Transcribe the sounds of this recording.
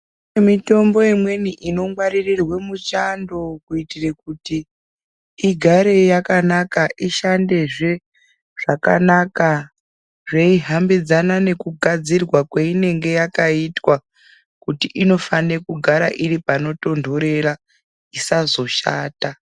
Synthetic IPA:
emito̞mbo̞imwe̞niʔino̞ŋwaɾirirwe̞mut͡ʃando̞kuitirekutiː | ɡʱaɾe̞jakanakaʔiʃande̞ʐe̞ | ʐ̥aka̰naka | ʐeiɦambid͡zanane̞kuɡʱad͡zirwakweine̞ŋɡe̞jakaitwa | kutiʔino̞fanekuɡʱaɾaʔiɾipano̞to̞ndʱo̞ɾe̞ra | isazo̞ʃa̰ːta

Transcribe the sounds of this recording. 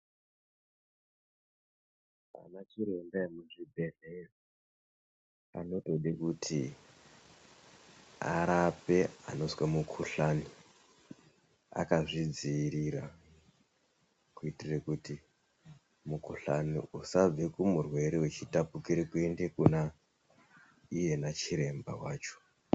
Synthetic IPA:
a̰nat͡ʃiɾe̞mdaemunʐibʱe̞ne | a̰no̞to̞ɗekutʰi | a̰ɾape̞a̰no̞zwamukʰuɬani | a̰kaʐid͡ziːɾiɾa | kuitirekuti | mukuɬa̰nḭusab͡vekumurwe̞ɾewet͡ʃitapukiɾekue̞ndekuna | ije̞nat͡ʃiɾe̞mba̰waːt͡ʃo̞̥

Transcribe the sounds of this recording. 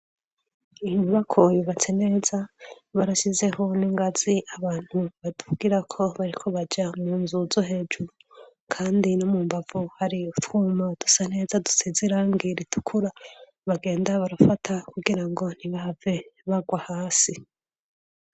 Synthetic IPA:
imuβakʰojuβat͡se̞ne̞ːza | βaɾaʃize̞ho̞niŋɡaz̥iʔaβaːn̥huβad̥uɡiɾakʰo̞βaɾikʰo̞βad͡ʒamuːnzuzo̞ɦe̞ːd͡ʒuɾu | kʰaːndinomuːmbavuhaɾiutwuːmad̥u̥sane̞ːzadu̥sizeɾaŋɡiɾitʰu̥kʰuɾa | βaɡe̞ːndaβaɾafatʰakuɡiɾaŋɡo̞n̥iβahave̞βaɡwahaːsi

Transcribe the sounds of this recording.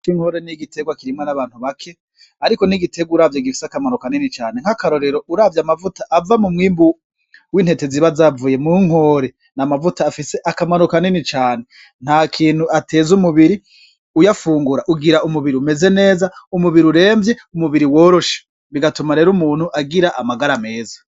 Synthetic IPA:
iŋhoɾeniɡite̞ɡwakiɾimŋonaβaːn̥huβakʰe̞ | aɾiko̞niɡitʰe̞ɡwuɾaːvjaɡifi̥seakamanokaninit͡ʃaːne̞ŋ̥hakaɾo̞ɾe̞ɾo̞ʔuɾaːvjamavutaʔavamumŋiːmbu | wiːnhe̞te̞ziβazavuje̞muŋ̥ho̞ɾe̞ | namavutaːfise̞ʔakamanokaninit͡ʃaːne̞ | n̥haːkʰiːn̥huʔate̞ːzumuβiɾi | ujafuːŋɡuɾaʔuɡiɾaumuβiɾiume̞ze̞ne̞ːzaumuβiɾiuɾe̞ːmbje̞umuβiɾiwo̞ːɾo̞ʃe̥ | βiɡatumaɾe̞ːɾumuːn̥huʔaɡiɾaʔamaɡaɾame̞ːzḁ

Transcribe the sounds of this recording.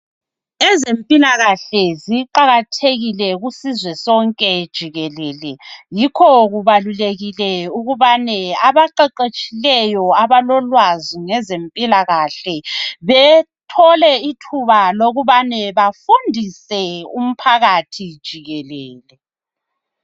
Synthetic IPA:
ɛzempʼilaɣaɬɛziǃaɣatʰeɣilɛɣusizwɛsɔŋkʼɛd̥ʒ̥ʱiɣɛlɛːlɛjikʰɔɣuβaluleɣilɛuɣuβanɛaβaǃɛǃet͡ʃʼilɛjɔaβalɔlwaziŋɛzempʼilaɣaɬɛβɛtʰɔlɛitʰuβaloɣuβanɛβafundʱisɛum̩pʰaɣatʰid̥ʒ̥ʱiɣɛlɛːlɛ

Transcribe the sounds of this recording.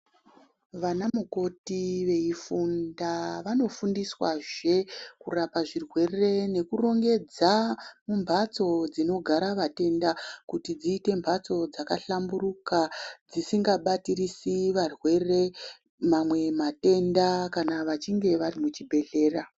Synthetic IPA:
ʋanamuko̞tiʋe̞ifundaʋano̞fundiswaʐe̞kurapaʐirwe̞re̞ne̞kuro̞ŋɡe̞d͡zamumbʱat͡so̞d͡zino̞ɡʱaɾaʋate̞ndakutid͡ziːte̞mbʱat͡so̞d͡zaka̰ɬamburukad͡zisiŋɡaɓatirisiʋarwe̞re̞ | mamwe̞mate̞ndakanaʋat͡ʃiŋɡe̞ʋarimut͡ʃibʱe̞ɮe̞ːra

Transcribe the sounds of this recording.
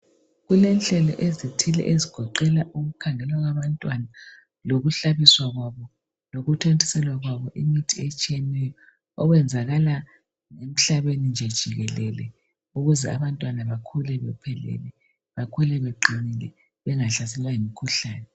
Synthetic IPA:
ɣulɛnɬɛlɔʔezitʰilɛ̰ʔeziɡ̥ʱɔǃɛlaʔuɣukʰaŋɛlwaɣwaβantʼwana | loɣuɬaβiswaɣwaβɔ | loɣutʰentʰʼi̥sɛlwaɣwaβɔʔimitʰiet͡ʃʼijɛnɛjɔː | ɣwɛnd͡zʱaɣala | ŋem̩ɬaβenind͡ʒʱɛd̥ʒ̥ʱiɣɛlɛlɛ̰ | uɣuzɛaβantʼwanaβakʰulɛβɛ̰pʰɛlɛ̰lɛ | βakʰulɛβeǃinilɛ̰ | βɛŋaɬas̬ɛlwaimikʰuɬaːnɛ

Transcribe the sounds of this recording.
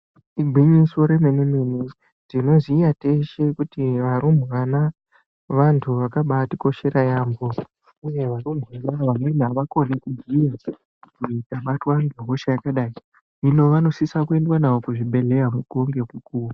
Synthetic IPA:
iɡʱwiɲiso̞ɾe̞menimini | tino̞ziːjate̞ʃe̞kutiʋaɾum̤uʋana | ʋantʰuʋakaɓatiko̞ʃe̞ɾʔajambo̞ | uje̞ʋarum̤wanaʋanenaʋako̞nekuɡʱija | kuitaɓatwaŋɡeɦo̞ʃajakaɗaːi | ilo̞ʋano̞sisakue̞ndwanaʋo̞kuʐiɓe̞ɮe̞jamuɡoŋɡe̞kukuːu

